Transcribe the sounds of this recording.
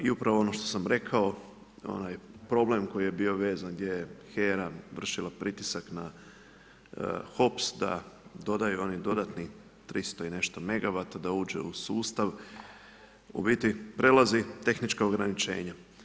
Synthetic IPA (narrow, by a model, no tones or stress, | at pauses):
iupɾaʋoo̞no̞ʃt̪o̞̥samɾe̞kʰao̞ | o̰najpɾo̞ble̞mko̞jijebio̞ʋe̞ːzanɡd̪je̞jexeːɾaʋr̩ʃilˠapɾit̪isakna | xo̞psd̪a̰d̪o̞d̪ajuo̞nid̪o̞d̪at̪ni | t̪ɾist̪oine̞ʃt̪o̞me̞ɡaʋat̪ad̪auːd͡ʒḛusuːst̪aʋ | ṵbit̪ipɾelˠazit̪e̞xnit͡ʃkaoɡɾanit͡ʃe̞̰ːɲa